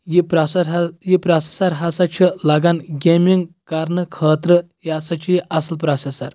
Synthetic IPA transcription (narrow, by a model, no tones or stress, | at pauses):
jipɾasaɾjipɾase̥saɾɦasat͡ɕʰəlaɡanɡʲemiŋɡkaɾnəkʰəːt̪ɾə | jasat͡ɕiʔɐsəlpɾasesaɾ